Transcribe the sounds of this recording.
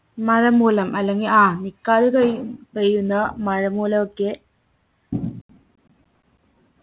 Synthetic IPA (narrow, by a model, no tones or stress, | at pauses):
mɐɻɐmuːlɐmʔɐlːeŋɡilaːnikːaːðukkejunːɐmɐɻɐmuːlɐmokːe